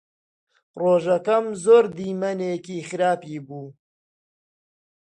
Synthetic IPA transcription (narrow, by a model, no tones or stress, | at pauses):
roːʒɐkɐmzoːɾd̪iːmɐneːkiːxɨɾaːpiːbuː